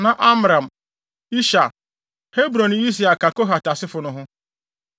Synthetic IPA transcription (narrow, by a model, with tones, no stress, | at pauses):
na˨ʔa˦m˦ɾa˨m̩˨ | i˦ʃa˨ | he˦bɾo˨n˨i˦s̬i˨a˨ka˨ko˦ɦa˨ta˨sɪ˦fʊ˨nʊ˨ɦʊ˦